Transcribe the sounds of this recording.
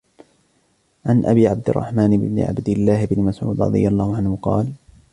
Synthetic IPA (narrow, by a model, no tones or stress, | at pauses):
ʕanʔabiːʕab̚d̪ɪrˤːɑ̰ħmaːnɪbnɪ̰ʕa̰bd̪ɪlːaːhɪbnɪmasʕṵːd̪ɾɑ̰d̪ˤɨ̰jalˤːɑːhʊʕanhʊqɑ̰ːl